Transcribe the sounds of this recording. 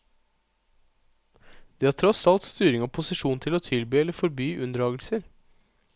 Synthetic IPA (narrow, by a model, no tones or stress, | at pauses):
d̪̥iːhɑːʈʰɾɔsɑlt̪st̪yːɾɪŋɔpʰʊsɪʂuːnt̪ʰɪloːt̪ʰɪlbyːɛlːəfɔɾbyːʔʉnd̪ɾɑːɡəlsəɾ